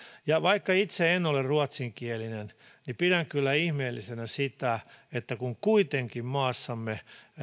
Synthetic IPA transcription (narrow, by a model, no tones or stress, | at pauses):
jɑʋɑikːɑit̪seenolerruɑt̪siŋkielinen | nipiɾæŋkylːæihmeːlːisenæsit̪æet̪ːækuŋkuit̪eŋkimmɑːsːɑmːe